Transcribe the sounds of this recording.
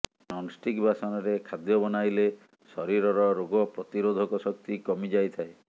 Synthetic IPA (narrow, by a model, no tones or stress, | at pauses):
nɔnsʈikbʱasɔnɔɾekʰad̪jɔbɔnajle | sɔɾiɾɔɾɔɾoɡɔpɾɔt̪iɾod̪ʱɔkɔsɔkt̪ikɔmid͡ʒajt̪ʰae